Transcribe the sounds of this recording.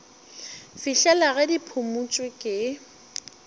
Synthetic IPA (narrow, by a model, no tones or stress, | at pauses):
fiɬɛlaɣɛdipʰʊmut͡ʃʼwɪkʼɪ